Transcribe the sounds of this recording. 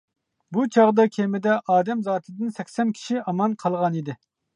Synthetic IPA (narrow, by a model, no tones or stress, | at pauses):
but͡ʃʰɑʁd̪ɑkʲʰemɪd̪ɛʔɑːd̪ɛmzɑːt̪ʰɨd̪ɨnsɛkʲsɛnkʲʰi̥ʃiɑmɑnqʰɑlˠʁɑnid̪ɪ